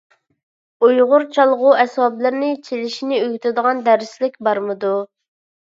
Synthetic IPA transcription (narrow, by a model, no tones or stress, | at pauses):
ujʁʊɾt͡ʃʰɑlˠʁʊɛsɑblˠɨɾnɪt͡ʃʰelɪʃinɪøɡʲyt̪ʰɪd̪əʁɑnd̪æɾslɪk̚ʲbɑɾmɨd̪u